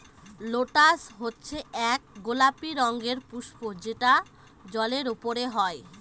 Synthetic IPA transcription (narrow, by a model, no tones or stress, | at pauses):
loʈasɦotːɕʰeɛk̚ɡolapiɾɔŋɡeɾpuʃpod͡ʑeʈa | d͡ʑɔleɾupoɾeɦɔe